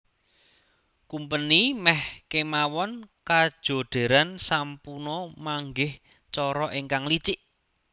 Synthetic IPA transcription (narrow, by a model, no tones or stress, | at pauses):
kumpənimɛhkemawɔnkad̥ʒ̥o̤ɖ̥e̤ɾansampunɔmaŋɡɪh | t͡ʃɔɾɔʔeŋkaŋlit͡ʃiʔ